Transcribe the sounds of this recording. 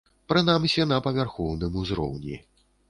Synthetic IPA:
pɾɨnamsʲɛnɐpɐvʲarxɔwnɨmuzɾɔ̰wnʲḭ

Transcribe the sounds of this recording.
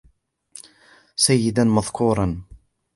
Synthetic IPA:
sajːɪd̪anmaðˤkʰuːɾˤɑn

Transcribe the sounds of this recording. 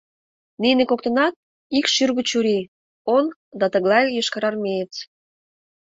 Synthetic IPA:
ninʲekok̚t̪ə̆nɑt̪̚ | ikʃyrɣət͡ɕuɾi | on | d̪ɑt̪ə̆ɣlˠɑjjəʃkɑɾɑrmʲejət͡s

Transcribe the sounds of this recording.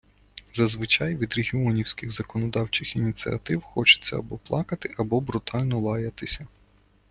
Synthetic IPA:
zɐzʋɪt͡ʃɑjʋʲid̪ɾʲeɦʲiɔnʲiwsʲkʲɪɣzɐkɔnɔd̪ɑwt͡ʃɪxinʲit̪t͡s̪ʲḭɐ̰t̪ɪwxɔt͡ʃɪ̥t̪t͡sʲːɐ̰ɐ̰bɔplˠɑkɐt̪ɪʔɐbɔbɾʊt̪ʰɑlʲnɔlˠɑjɐt̪ɪsʲɐ

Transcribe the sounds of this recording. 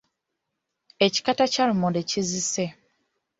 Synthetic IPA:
eci̥katacalumodecizise

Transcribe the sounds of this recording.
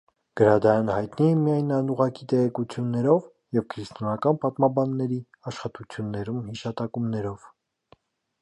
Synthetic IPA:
ɡ̥əɾɑd̪ɑjɑnəhɑjt̪niɛmijɑjnɑnuʁɑkit̪ɛʁɛkut͡sʰjunːɛɾɔv | jɛvkʰɾist̪ɔnɑkɑnpɑt̪mɑbɑnːɛɾi | ɑʃχɑt̪ut͡sʰjunːɛɾumhiʃɑt̪ɑkumnɛɾɔv̥

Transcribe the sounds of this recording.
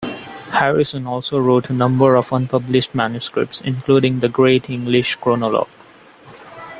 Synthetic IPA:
hæɹɪsə̃nɔːlsoːɾoːʈʰənʌ̃mbəɾɔfʌ̃npʌblɪʃʈmæ̃njʊskɾɪ̰p̚ʈsɪ̰̃nkluːɖɪ̃ŋd̪əɡɾeːʈʰɪ̃ŋɡlɪʃkɾoːnɔlɔ̰ːɡ

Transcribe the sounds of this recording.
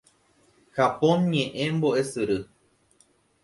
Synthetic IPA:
xapõnɲẽʔẽmboʔe̞sɨɾɨ

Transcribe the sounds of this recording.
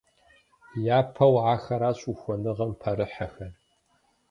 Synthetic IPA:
jaːpʰɐwaːxɐɾaːɕʼuxʷɔnɨʁɐmpʰɐɾɨħɐxɐr

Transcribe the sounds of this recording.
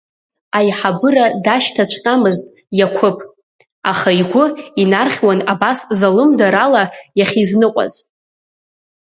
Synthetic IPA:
ajħabɨradaʃtʰat͡ɕʷʰqʲʼamɨztʼ | jakʷʰʊpʰʼ | aχaiɡʷʊinarχʲwanabaszalɨmdaɾalajaχʲiznɨqʷʼa̰z

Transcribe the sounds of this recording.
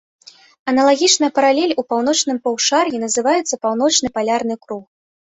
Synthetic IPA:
ɐnɐlˠaɣʲit͡ʂnɨjɐpɐɾalʲɛlʲupawn̪ɔt͡ʂn̪ɨmpɐwʂarjʲinɐzɨvajɛt̪sːɐpawn̪ɔt͡ʂn̪ɨpalʲarnɨkɾux

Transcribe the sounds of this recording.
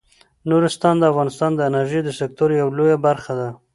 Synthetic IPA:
noɾɪst̪ɑnd̪əafɣɑnɪst̪ɑnd̪əɪnaɾʒejd̪əsɪk̚t̪oɾjawlojabaɾxad̪a

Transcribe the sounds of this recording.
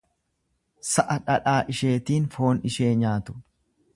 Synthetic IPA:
sɐʔɐᶑɐᶑaːʔɪʃe̞ːt̪iːnfo̞ːnɪʃeːɲaːt̪ʊ̥

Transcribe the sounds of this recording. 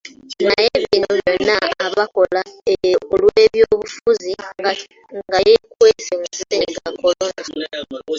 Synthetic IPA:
najeβinoβjonːaːβako̞laeolweːβjoːβufuzi | ɡajekweːsemususeɡako̞londa

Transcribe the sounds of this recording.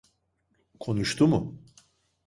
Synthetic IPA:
kʰo̞nuʃt̪ʰumʊ

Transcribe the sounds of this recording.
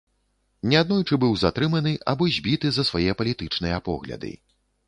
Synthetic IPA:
nʲɛad̪̚nɔjt͡ʂɨbɨwzat̪ɾɨmɐnɨʔa̰bɔzʲbʲit̪ɨzɐsvajɛpɐlʲit̪ɨt͡ʂnɨjɐpɔɣlʲɐ̰d̪ɨ̰

